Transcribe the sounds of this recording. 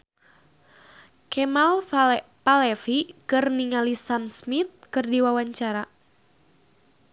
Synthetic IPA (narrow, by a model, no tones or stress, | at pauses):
kɛmalpalɛfikɨrniŋalisamsmit̪̚kɨrdiwawaɲt͡ʃaɾa